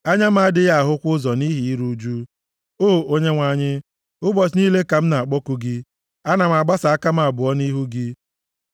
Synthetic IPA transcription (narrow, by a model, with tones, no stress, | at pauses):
a˦ɲa˦m̩˦a˦a˦dɪ˦ɣa˦˨a˨ɦʊ˦kʷʊ˦zɔ˨ni˦ɦi˨i˦ɾu˦d͡ʒu˦ | o˦˨o˦ɲe˦ŋʷa˨˦˨ɲɪ˦ | ʊ˦bɔ˨t͡ʃ̬niː˦le˦ka˨m̩˦na˨a˨k͡pɔ˦ku˦ɡɪ˦ | a˦na˨m̩˨a˨ɡ͡ba˦sa˨a˦ka˦m̩˦˨a˨bʊ˨ɔ˦ni˦ɦu˦ɡɪ˦